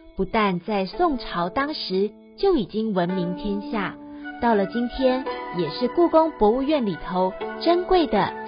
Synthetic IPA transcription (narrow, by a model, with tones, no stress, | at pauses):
pu˨˧˥t̪a˥˧nt͡sa˥˧ɪsʊ˥˩ŋʈ͡ʂʰɑ˧˥ʊt̪ɑ˥ŋʂɻ̩˧˥ | t͡ɕjo˥˩ʊi˨˩t͡ɕi˥ŋwə˧˥nmi˧˥ŋt̪ʰjɛ˥nɕja˥˩t̪ɑ˥˩ʊlə˨˩t͡ɕi˥nt̪ʰjɛ˥njɛ˨˩ʂɻ̩˥˧ku˥˩kʊ˥ŋpwɔ˧˥u˥˧ɥɛ˥˩nli˨˩t̪ʰo˧˦ʊʈ͡ʂə˥nkwe˥˩ɪd̪ə˩